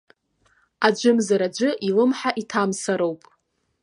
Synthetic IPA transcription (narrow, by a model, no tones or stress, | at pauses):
ad͡ʒʷʊmzaɾad͡ʒʷɨʔilɨmħaʔitʰamsaɾowpʼ